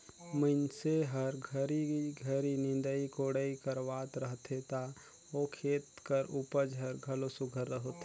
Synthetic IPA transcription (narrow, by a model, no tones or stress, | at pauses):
mənseɦəɾɡʱəɾiiɡʱəɾinɪ̃nd̪əikoːɽəikəɾʋaːt̪ɾəɦt̪ʰet̪a | okʰeːt̪kəɾupəd͡ʒɦəɾɡʱəlosʊɡʱəɾːəɦot̪e